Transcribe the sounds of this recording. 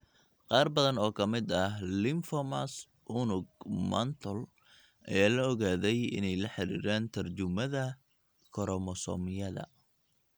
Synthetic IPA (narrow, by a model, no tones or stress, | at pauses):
qɑːrbɐðɐnɔːkʰɐmɪd̪ɐlɪmfɔmas | ʔʊnʊɡmɐ̰nt̪ʰɔl | ʔɐ̰jaːlɐɔɣaːðɛjɪ̰nɛjlɐħɪɾḭːɾaːnt̪ʰɐrt͡ʃʊmɐðɐ | kʰɔɾɔmɔsɔ̰ːmɪjɐðɐ̰